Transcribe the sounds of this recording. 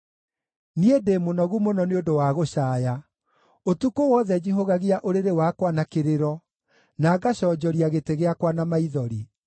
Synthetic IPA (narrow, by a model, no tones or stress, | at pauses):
niedemonɔɣumonɔneodowaɣoɕaːja | otukowɔðɛd͡ʑiɦoɣaɣiaʔoɾeɾewakwanakeɾeɾɔ | naːɡaɕɔd͡ʑɔɾiaɣeteɣeakwanamaiðɔɾi